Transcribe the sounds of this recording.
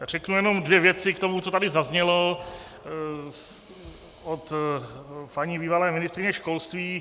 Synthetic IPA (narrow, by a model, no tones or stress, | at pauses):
r̝ɛknujɛno̞mdvjɛvjɛt͡sɪkt̪o̞mut͡sot̪adɪzazɲɛlo | ot̪ | paɲɪbiːvalɛːmɪnɪst̪ɾɪɲɛʃkolst̪viː